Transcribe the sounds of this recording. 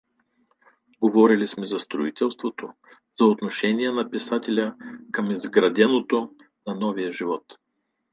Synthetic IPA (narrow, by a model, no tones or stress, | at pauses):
ɡovɔɾilismɛzɐst̪ɾʊit̪ɛlˠst̪vot̪o | zɐot̪noʃɛniɛnɐpisat̪ʲɛlʲəkɐmizɡɾɐd̪ɛnot̪o | nɐnɔvijəʒivɔt̪